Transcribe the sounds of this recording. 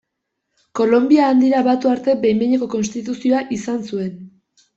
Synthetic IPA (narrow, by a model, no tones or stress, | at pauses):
ko̞lo̞mbiaːnd̪iɾaβat̪uaɾt̪e̞bejmeɲeko̞ko̞nst̪it̪usio̞aʔisansue̞n